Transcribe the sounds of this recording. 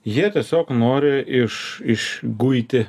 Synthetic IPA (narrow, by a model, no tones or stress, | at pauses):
jiɛt̪ʲiɛsʲoːknoːɾʲɪɪʃɪʃɡʊɪt̪ʲɪ